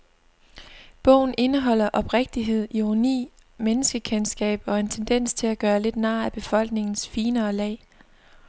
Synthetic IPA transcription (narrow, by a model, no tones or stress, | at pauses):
b̥ɔ̽ʊ̰n̩e̝nəɦɒ̽l̰ɐʔɒ̽b̥ʁeɡ̥̚d̥iɦe̝ð̞̰ˠiʁonḭː | menəsɡ̥əkʰensɡ̥ɛ̰ːb̥ɒ̽e̝nt͡sʰend̥en̰st͡sʰe̝læɡ̥ɶːɐle̝d̥nɑ̈ːæb̥e̝fɒ̽l̰ɡ̥ne̝ŋn̩sfiːnɐːlɛ̰ɪ